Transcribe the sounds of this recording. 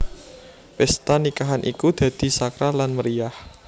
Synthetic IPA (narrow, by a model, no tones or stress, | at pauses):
pɛst̪anikaɦanʔikud̪̥ä̤d̪̥i̤sakɾalanməɾiah